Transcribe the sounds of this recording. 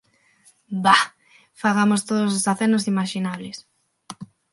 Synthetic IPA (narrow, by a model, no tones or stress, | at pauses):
ba | faɣamost̪oðososaθenosimaʃinaβlɪs